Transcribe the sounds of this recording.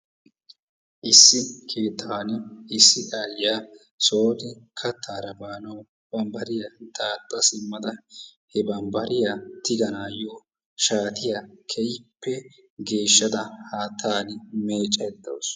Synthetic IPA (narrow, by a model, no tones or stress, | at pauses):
ʔɪsːɪkʰeːt̪ʰːɐanɛɪsːɪʔaljaː | soːt̪ɪkʰɐt̪ʰːaːɾɐbaːnoː | b̥ɐmbɐɾɪjɐd̪̥aːt̪ʼːɐsɪmːɐd̪ɐ | hɛbɐmbɐɾɪjat̪ɪɡɐnaːjoː | ʃaːt̪ɪjakʰɛjpːɛ | ɡe̞ːʃːɐd̪ɐhaːt̪ʰːaːnɪme̞ːt͡ʃʼːɐjd̪o̰ːs